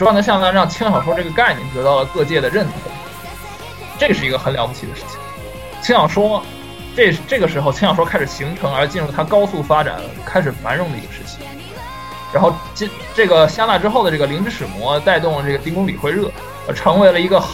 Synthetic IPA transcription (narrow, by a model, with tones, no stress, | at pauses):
nə˧ɕjɑ˥˧ŋt̪a˥˧ɻɑ˥˩ŋt͡ɕʰi˥ŋʂɑ˨˩ŋʂwɔ˥ʈ͡ʂɤ˥˩ɡə˩ka˥˧ɪnɛ̰˥˩t̪ɤ˧˥t̪ɑ˥˩ʊlə˩kɤ˥˧t͡ɕjɛ˥˩d̪ə˩ɻə˥˩nʰə˨˧˩ | ʈ͡ʂɤ˥˩ʂɻ̩˥˩i˧˥ɡə˧xə˧˥nljɑ˧˥ʊp̬u˧t͡ɕʰi˧˩d̪ə˦ʂɻ̩˥˩t͡ɕʰi̥˩ŋ | t͡ɕʰi˥ŋʂɑ˨˩ŋʂwɔ˥ | ʈ͡ʂe˥˩ʂ̩˧ʈ͡ʂɤ˥˩ɡə˩ʂɻ̩˧˥xo˧ʊt͡ɕʰi˥ŋjɑ˨˩ŋ˩ʂwɔ˥kʰa˥ɪʂɻ̩˨˩ɕi˧˥ŋʈ͡ʂʰɤ˧˥ŋə˞˧˥t͡ɕi˥˧nɻu˥˩t̪ʰa˥kɑ˥ʊsu˥˩fa˥ʈ͡ʂa̰˨˩˦n | kʰa˥ɪʂ̬ɻ̩˨˩fa̰˧˥nɻʊ˧˥ŋd̪ə˩ḭ˧˥ɡə˧ʂɻ̩˥˩t͡ɕʰi̥˨˩ŋ | ɻa˧˥n˥xo˥˧ʊt͡ɕi˥˧ | ʈ͡ʂɤ˥˩ɡə˩ɕjɑ˥˧t̪a˥˩ʈ͡ʂɻ̩˥xo˥˩ʊd̪ə˩ʈ͡ʂɤ˥˩ɡə˩li˧˥ʈ͡ʂɻ̩˥˧ʂɻ̩˨˩mwɔ̰˧˥t̪a˥˧ɪt̪ʊ˥˩ŋlə˩ʈ͡ʂɤ˥˩ɡə˩t̪i˥ŋkʊ˥ŋlḭ˨˩xwe˥˧ɪɻɤ˥˩ | ə̰˧˥ʈ͡ʂʰɤ˧˥ŋwe˧˥ɪlə˧i˧˥ɡə˧